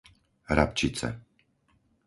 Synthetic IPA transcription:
ɾapt͡ʃit͡sɛ̰

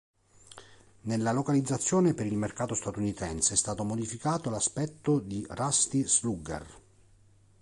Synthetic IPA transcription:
nelːalokalid̪zːat̪sːjoːnepeɾilmerkaːt̪ost̪at̪unit̪ɛnseɛst̪aːt̪omod̪ifikaːt̪olaspɛt̪ːod̪irast̪isluɡḛr

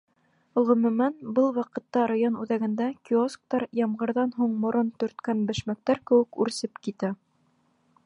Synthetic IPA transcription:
ʁɵ̆mɵ̆mænbɤlˠwɑqɤ̆t̪ːɑɾajonʉðæɡɘ̆nd̪ækʲiosk̚t̪ɑɾjɑmʁɤ̆ɾðɑnɦuɴmŏɾont̪ɵ̆ɾt̪kænbɘ̆ʃmæk̚t̪æɾkɘ̆wɘ̆kʉɾsɘpkit̪æ

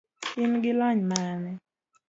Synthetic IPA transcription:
ɪnɡɪlɔɲmanɛ

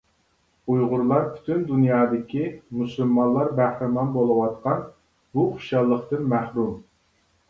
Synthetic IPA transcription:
ujʁʊɾlˠɑɾpʰy̥t̪ʰynd̪unjɑːd̪ɪkʲʰimusulmɑnlˠɑɾbæhɾɪmɑnbolˠɨwɑt̪̚qɑn | buqʰi̥ʃɑlˠːəqt̪ɨnmæhɾum

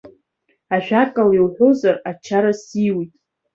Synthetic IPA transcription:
aʃᶣakʼaliwħʷozarat͡ʃʰaɾasiwitʼ

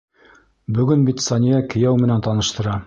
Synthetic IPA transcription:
bɵ̆ɡɵnbit̪sɑnʲijækɘ̆jæwmɘ̆nænt̪ɑnɤ̆ʃt̪ɤ̆ɾɑ

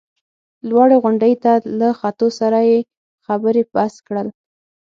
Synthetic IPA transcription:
lwɑɽeɣʊɳɖəjt̪alaxat̪osaɾaje | xabəɾepaskɽəl

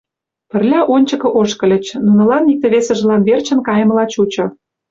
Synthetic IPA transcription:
pə̆rlʲɑʔonʲt͡ɕə̆kɤ̆ʔoʃkɤ̆lʲə̆t͡ɕnunɤ̆lɑnik̚t̪ĕβesə̆ʒə̆lɑnβert͡ɕə̆nkɑjə̆mə̆lɑt͡ɕut͡ɕŏ

